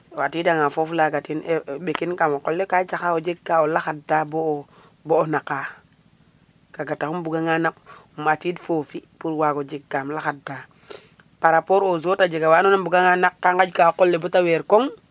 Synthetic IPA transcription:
watidaŋafoflaɡatineɓekinkamokolːekat͡ʃaxaod͡ʒeɡːaolaxad̚tabo | boːnaka | kaɡataxumbuɡaŋanak̚umatidfofipuɾwaɡod͡ʒeɡːamlaxad̚ta | paɾapoɾozotad͡ʒeɡawanonambuɡaŋanakːaŋɡad͡ʒkakolːebotaweɾkoŋ

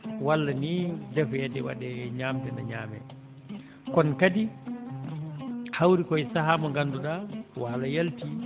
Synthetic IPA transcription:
walːanidɛfjɛdɛwa̰ɗɛɲaːmtɛna̰ɲaːmɛ̰ | kɔnkadi | hawɾikɔɛsaɦamɔŋɡanduɗawalajalti

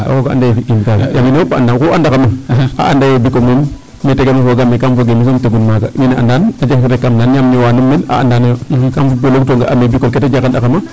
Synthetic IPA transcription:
a̰wokaʔa̰dajofiʔimkaɡajaminaopaa̰ndankuandakamaa̰ʔa̰ndajobikolmumː | etekamafoɡamekamfoɡemis̬omtoɡunmakaminaa̰ndanad͡ʒakfeɾekːamnanjamɲowanumːena̰a̰ndanajokamfuboloktoŋɡaʔamebikolketad͡ʒakandakama

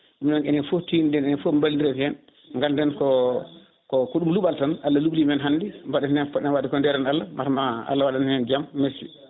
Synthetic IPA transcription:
ʔumnanɛnɛfotindɛnɛnɛfombaldiɾɛfiɛn | ŋɡaldɛnkɔ | kɔkɔɗumluɓaltanalːaluɓlimɛnɦanːdimbaɗɛnnɛnfɔɗɛnwatikɔndɛɾanalːamatmaa̰lːawaɗannɛnd͡ʒamːesḭ

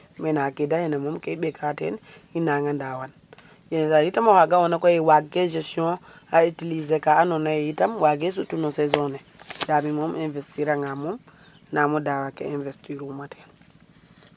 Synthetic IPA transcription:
mɛnakɛdahɛnamɔmkɛɓɛkatɛ̰n | inaŋɡandawan | jɛnsajitamɔhaɡawɔnakɔjɛwaɡɛd͡ʒɛsiɔ̃ | aitilizɛkaːnɔnajɛjitamwaɡɛs̬utunɔsɛzɔnɛdamimɔmɛnvɛstiɾaŋɡamɔm | namɔdawakɛ̰ɛnvɛstiɾumatɛn

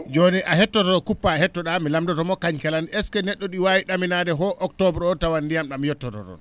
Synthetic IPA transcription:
d͡ʒoniʔahɛtːɔtɔɾɔkupːahɛtːɔɗamilamdɔtɔmɔkaɲkɛlanɛskɛnɛɗːɔɗiwawiɗaminadɛɦɔʔɔktɔbɾɔtawandijamɗamjɔtːɔtɔ̰tɔ̰n

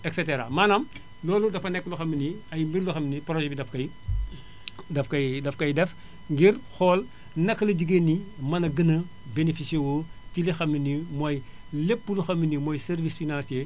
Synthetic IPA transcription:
ɛkseteɾa̰maːnɐm | lɔːludɐfɐnɛkːluxɐmːiniɐjmbiɾluxɐminipɾoʒɛbidɐfkɐj | dɐfkɐjdɐfkɐjdɛf | ŋɡiɾxɔːl | nɐkːɐlɐɟiɡenːimɐnɐɡənɐ | benefisiewotilixɐmːinimoj | lepːuluxɐmːinimojseɾvisfinãnsie

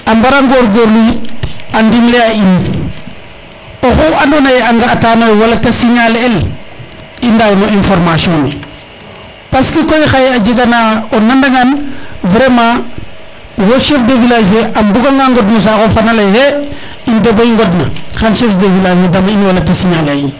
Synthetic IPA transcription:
ambaɾaŋɡoɾɡoɾluandimleain | oxuanonajeaŋɡaːtanojwalatasiɲalel | indawnoinfoɾmasioni | paskikojxajad͡ʒiɡanaonːandaŋɡanvɾema | woʃefdevilad͡ʒeʔambuɡaŋɡaŋɡodnus̬akofanalajhe | indebaiŋɡodna̰xanʃefdevilad͡ʒedamainwalatasiɲalain

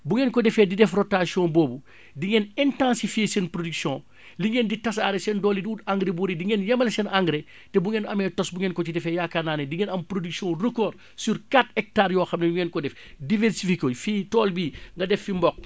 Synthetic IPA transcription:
buŋɛːnkɔdɛfɛdidɛfrɔtasiɔ̃boːbu | diŋɛnɛntãnsifesɛnpɾodyksjɔ̃ː | liŋɛnditɐsaːɾɛsɛndɔːlidiutaŋɡɾebuɾidiŋɛnjɐmɐlɛsɛnaŋɡɾɛ | tɛbuŋɛnɐmɛtɔsbuŋɛnkɔt͡ʃidɛfɛjakanaːnɛdiŋɛnɐmpɾodyksijɔ̃rəkɔːr | suɾkatɛk̚taːɾjɔːxɐmnejuŋɛnkɔdɛf | divɛɾsifikofitɔːlbiːŋɡɐdɛfːimbɔk̚

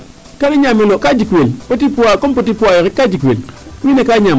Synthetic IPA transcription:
kaniɲamilokad͡ʒikwelpotipuwakompot̬ipuajekikːad͡ʒikwelwinekaɲam

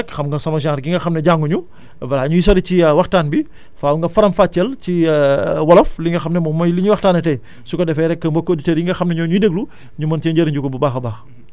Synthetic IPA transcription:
kxɐmŋɡɐsɐmɐs̬iãːɾɡiŋɡɐxɐmnɛɟaŋɡuɲu | bɐlaːɲujis̬ɐɾiciwɐxtaːnbi | faːwuŋɡɐfɐɾɐmfaːt͡ʃːɛlciwɐlɐfliŋɡɐxɐmnɛmɔmɐjliɲuwɐxtaːnɛtɛ | sukɔdɛfɛɾɛkːɐmbɔkːoditeɾjiŋɡɐxɐmnɛɲɔɲudəɡlu | ɲumɐntɛɲɟɐɾiɲɟukɔbubaːxɐbaːx

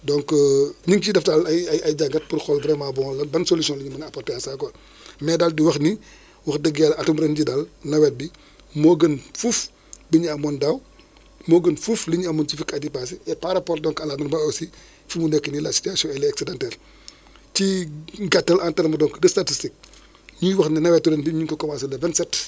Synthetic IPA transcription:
dɔŋkɲiŋt͡ʃidɐftalɐjɐjɐjɟaɡɐt̚purxɔlbɾɛmabɔŋlɐbɐnsolisiɔ̃nliɲumɐnɐpɔrtɛasakɔ | mɛdaldiwɐxni | wɐxdəɡɛlɐtumbɾɛnɟidalnɐwɛt̚bi | moːɡənfuf | biɲiɐmɔndɐw | moːɡənfufliɲuɐmɔnt͡ʃifikɐdipas̬iɛpaɾapɔːrdɔŋkɐlamɐnbaosi | fimunɛkːənilasi̥tiasiɔ̃ɛlɛksɛdɛntɛl | t͡ʃiɡatːɐlantɛɾmɐdɔŋkdɐstatistik̚ | ɲiwɐxninɐwɛt̚ːuɾɛnbiɲiŋkɔkɔmasɐlɐvɛnsɛt

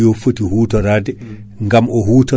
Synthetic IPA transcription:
jɔfotihuːtɔɾadɛ | ŋɡamɔhuːtɔ

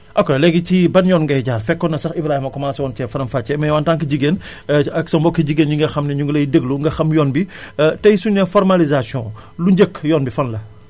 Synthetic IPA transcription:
ʔɐkːɐlɛɡicibɐnjɔːnŋɡɐjɟaːrfɛkːɔnɐsɐxibɾaːhimɐkɔmaːsɐwɔːntɛfɐɾɐmfaːt͡ʃːɛmɐjwaːntaːŋkiɟiɡen | ɐksɐmbɔkːiɟiɡenɲuŋɡɐxɐmnɛɲuɡlɐjdəɡluŋɡɐxɐmjɔːnbitɐjsunnɛfɔɾmalizasjɔ̃ | luɲɟəkːjɔːnbifɐnlɐ

